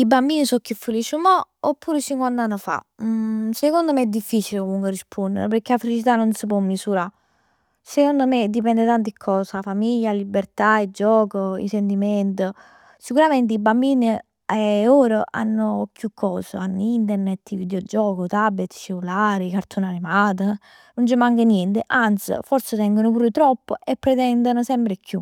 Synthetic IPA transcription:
ibambiːnisɔkːifːulit͡ʃumɔopːuːɾet͡ʃiŋkwand̪anːofa̰ | sekond̪omeɛd̪ːifːit͡ʃilekomuŋkwerispʰond̪ḛɾpəɾk̟ːeafelit͡ʃit̪̬anːonsəp̬ɔmːisuɾa | sekond̪omed̪ipɛnd̪et̪ant̪̬ikʰːɔːsafamiʎːalibːeɾt̪aid͡ʒɔːkoḭsent̪̬imɛnt̪̬ə | sikuɾamɛnt̪̬ɪibambiːni | ɛoːɾəʔa̰nːʊkjukʰːɔːsə̰anːoint̪̬ɛrnɛt̪ːivid̪jɔd͡ʒɔːkot̪abːet̪ːt͡ʃelulaːɾikaɾt̪ʰonanimaːt̪̬ə | nont͡ʃəmaŋkənjɛnt̪eʔant̪sḭfɔɾset̪ɛŋɡonopuːɾɪt̪ɾɔpːoʔepːɾɛt̪ɛnd̪ənosɛmpɾekju

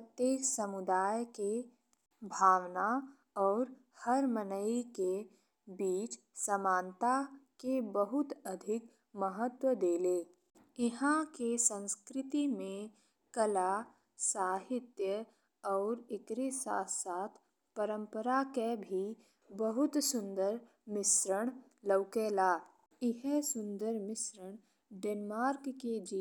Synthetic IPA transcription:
pət̪jeːksəmʊd̪aːjke | bʱaːwna | ɔːɾ | həɾmənəɪke | biːt͡ʃ | səmãːnt̪akebəɦʊt̪əd̪ʱɪk | məɦət̪wəd̪eːleː | ɪɦãkesə̃nskɾɪt̪imẽ | kəla | saːɦɪt̪jə | ɔːɾɪkɾisa̰ːt̪saːt̪ʰ | pəɾə̃mpəɾakebʱi | bəɦʊt̪sʊ̃nd̪əɾ | mɪsɾəɽ̃ | ləwkeːlaː | ɪɦɛsʊ̃nd̪əɾmɪsɾəɽ̃ | ɖeːnmaːɾkːed͡ʒiː

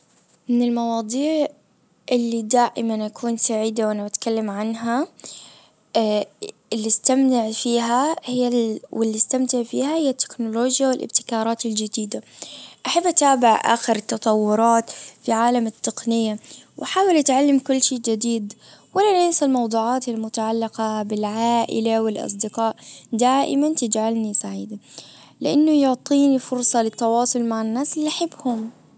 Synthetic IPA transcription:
mɪnɪlmɑwɑːd̪ˤiːʕ | ʔɪlːid̪aːʔɪmanʔakʰuːnsaʕiːd̪awʔanːabat̪kalːamʕanɦa | ɪlːist̪amt̪ɪʕfiːɦahɪawɪlːist̪amt̪ɪʕfiːhahɪjːat̪ʰːɪ̥knʊloːd͡ʒjawɪlʔɪ̰b̚t̪ɪ̥kɑːɾˤɑːt̪ɪld͡ʒɪd̪iːd̪aʔaħabːat̪aːbɪʕʔa̰ːxɪɾɪt̪ːɑt̪ˤɑwːʊɾˤɑːt̪fiʕaːlamɪt̪ːɨqnɪjːawʔaħaːwɪlʔat̪ʕalːamkʊlːʃiːd͡ʒad̪iːd̪walːanɪːsalmɑwd̪ˤuːʕaːt̪almʊt̪aʕalːɪqɑbɪlʕaːʔɪ̰lawɪlʔɑ̰s̬ˤd̪ɪqɑːʔd̪aːʔɪmant̪ɪd͡ʒʕalnisaʕiːd̪a | lɪʔanːʊjʊʕt̪ˤiːnifʊɾsˤɑlɪt̪ːɑwɑːsˤʊlmaʕanːaːsɪlːiʔaħɪbːhʊm

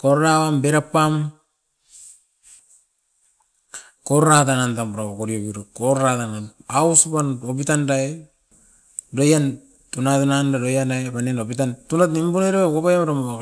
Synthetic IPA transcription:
koɾɾawambeɾapːam | koɾatanantampɾaakoɾiobiɾukoɾɾatananausupanopitandae | dojan | tunatunandadojanajpanenopitantunatnimbuneɾekokajamɾamaa

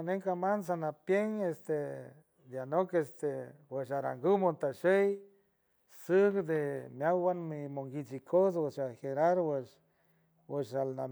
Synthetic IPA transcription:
aneŋkamans̬anapjeŋest̪e | d̪janokest̪eweʃaɾa̰ŋɡumont̪aʃej | sɨkd̪emjawwanmimoŋɡit͡ʃikʰos̬weʃaheɾaɾwəʃ | wəʃalna

